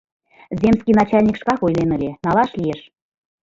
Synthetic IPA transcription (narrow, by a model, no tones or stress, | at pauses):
zʲemskinɑt͡ɕɑlʲnʲikʃkɑkojlenə̆lʲenɑlˠɑʃlieʃ